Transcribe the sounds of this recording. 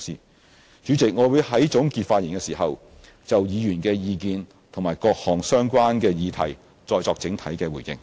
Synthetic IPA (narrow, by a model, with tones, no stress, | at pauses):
siː˨˩ | t͡ʃyː˨˧˥t͡sɪ˨k̚ŋɔː˨˧wuː˨˧jɦɐ˨˥jt͡sʊ˨˥ŋkiː˧t̚faː˧t̚jiː˨˩nkɛ˧siː˨˩ɦɐ˨w | t͡sɐ˨wjiː˨˧jyː˨˩nkɛː˧jiː˧kiː˧n | t̪ʰʊ˨˩ŋmaː˨˩jkɔː˧k̚hɔː˨˩ŋsœː˥ŋkʷaː˥nkɛː˧jiː˨˧t̪ʰɐ˨˩j | t͡sɔː˧jt͡sɔː˧k̚t͡sɪ˨˥ŋt̪ʰɐ˨˥jkɛː˧wu˨˩jɪ̰˧ŋ